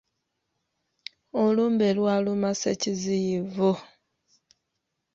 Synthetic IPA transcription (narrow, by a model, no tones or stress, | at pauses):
oluːmbelwalumaseciziivu